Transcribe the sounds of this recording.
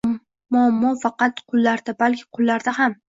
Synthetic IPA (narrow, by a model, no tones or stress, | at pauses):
mʊamːɒfɑqɑt̪qʰʊlˠːaɾd̪abalkʲʰɪ̥qʰʊlˠːaɾd̪aɦam